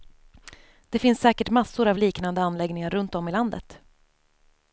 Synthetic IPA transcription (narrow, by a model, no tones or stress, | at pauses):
d̪̥ɛfɪnsːɛːkəʈmasːʊɾavliːknand̪əanlɛɡnɪŋaɾɵnt̪ɔmɪland̪ə̰t̪